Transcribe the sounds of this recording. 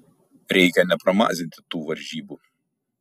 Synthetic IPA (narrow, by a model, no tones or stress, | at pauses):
ɾʲɛɪkʲɛnʲɛpɾɐmɑ̰ːzʲɪnʲt̪ʲɪ̥t̪uːʋɐɾʲʒʲiːbu